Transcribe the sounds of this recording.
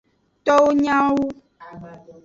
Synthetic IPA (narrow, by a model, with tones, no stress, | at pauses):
t̪ɔ˦wo˦ɲã˦wu˦